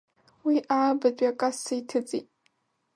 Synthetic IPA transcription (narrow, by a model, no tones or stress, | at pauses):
wiʔaabad͡ʒʷʼakʼasaitʰɨt͡sʼḭtʼ